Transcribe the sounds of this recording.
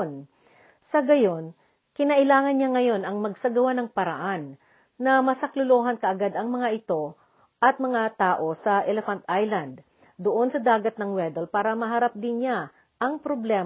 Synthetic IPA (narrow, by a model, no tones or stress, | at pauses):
n | sɐɡɐjo̞n | kɪnɐʔɪlaːŋɐnɲaŋɐjo̞nɐŋmɐɡsɐɡɐwanɐŋpɐɾɐ̰ʔanː | ɐmɐsɐklʊloːɦɐnkɐʔɐɡad̪ɐŋmɐŋaʔɪt̪o̞ | ʔɐt̪̚mɐŋat̪aːʔo̞sɐʔɛlɛfɐnt̪ʔajlɐnd̪̚ | d̪oʔo̞nsɐd̪aːɡɐt̪̚nɐŋwɛd̪ɛlpaːɾɐmɐɦɐɾap̚d̪ɪnɲa | ʔɐŋpɾoblɛː